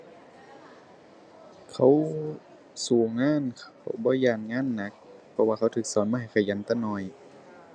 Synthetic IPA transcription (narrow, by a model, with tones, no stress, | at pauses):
kʰa˧˦w | suː˨˩ŋaː˧˥˨nkʰa˧˦˩wbɔː˧˨jaː˧˩nŋaː˧˥˨nːa˧˦k̚pʰɔ˧waː˧kʰa˧˥wt̪ʰɯː˨˦k̚sɔː˨˦nmaː˧ɦa˨˩jkʰa˧˩ja˨˧˦nt̪aː˧˩nɔː˧˩j